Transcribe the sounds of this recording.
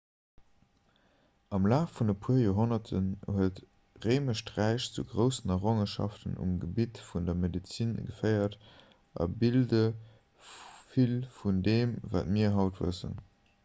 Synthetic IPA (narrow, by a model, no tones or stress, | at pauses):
ɑmlaːffundəpʰuːɐjoːɦonɐtʰənhuət | ʁeːməʃtʁæɪɕt͡suɡʁəʊsənɑʁoŋəʃɑ̰ftə̰nṵmɡəbitfundɐmedit͡sinɡəfɜɪɐt | ʔɑ̰bildə | filfundeːmva̰ːtmiːɐɦɑʊtv̥ə̰sə̰n